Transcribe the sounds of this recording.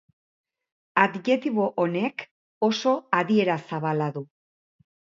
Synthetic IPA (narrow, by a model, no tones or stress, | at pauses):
ad̪ɲe̞t̪iβo̞ʔone̞k | o̞so̞aðie̞ɾasaβalaðu